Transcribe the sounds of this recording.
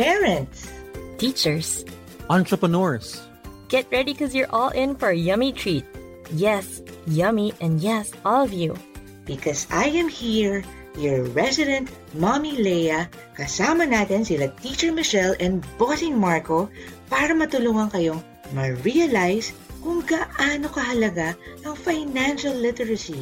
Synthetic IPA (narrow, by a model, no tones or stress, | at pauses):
pɛɹɐ̃nt̪st̪it͡ʃəɹs | ʔãnt̪ɹɐpɐnɔɹs | ɡ̥ɛt̪̚ɹɛdikɔzjəɹʔɔlˠʔɪ̃nfɔɹjʌmit̪ʰɹit̪̚ | jɛsjʌmiʔɛ̃ndjɛsʔɔlˠɔvju | b̥ɪkɔsajɛ̃mhiɹ | jɔɹːɛsɪd̪ɛ̃nt̪̚ | mamilɛjɐ | kɐsamɐnaːt̪ɛnsɪlɐt̪it͡ʃɛɹmɪʃɛlʔɛ̃nbosɪ̃ŋmaɹkopaɾɐmɐt̪ʊluŋɐŋkɐjoŋ | mɐɹiɐlajskʊŋɡɐʔaːnokɐɦɐlɐɡaʔɐŋfajnãnʃɐlːɪt̪ɛɹɐsi